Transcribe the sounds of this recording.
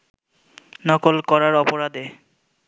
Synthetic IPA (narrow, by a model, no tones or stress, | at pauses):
nɔkolkɔɾaɾɔpoɾad̪e